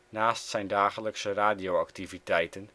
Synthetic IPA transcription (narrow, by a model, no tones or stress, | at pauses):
naːstsɛjndaːχələksəraːdijoaktivitɛjtən